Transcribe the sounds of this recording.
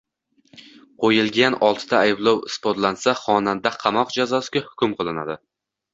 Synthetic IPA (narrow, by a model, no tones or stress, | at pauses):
qʰojɪlˠɡʲanɒlˠt̪ʰɪ̥t̪ʰaːjblˠowɪspoɾt̪lansaχɒnand̪aqʰɑmɒqd͡ʒazɒsɪɡʲahʊ̥kʲʊmqʰɨlˠɪnad̪ɪ